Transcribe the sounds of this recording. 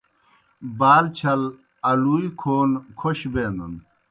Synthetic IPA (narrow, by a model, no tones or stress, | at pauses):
baːlt͡ɕʰɐl | ɐluːikʰoːnkʰoɕbeːnd̪ɐn